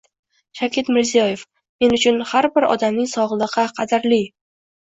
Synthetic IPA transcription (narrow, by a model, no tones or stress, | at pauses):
ʃakʲʰɪt̪mɪɾzijɒje̞f | me̞nʊt͡ʃʰʊnhaɾbɪɾɒ̰d̪amnɪŋsɒʁlˠɨqɨqʰɑd̪ɪɾli